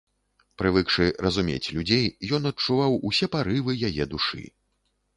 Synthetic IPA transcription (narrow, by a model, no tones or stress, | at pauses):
pɾɨvɨkʂɨrɐzumʲḛt͡sʲlʲud͡zʲejjɔnɐt͡ʂːuvawusʲɛpaɾɨvɨjajɛd̪uʂɨ̰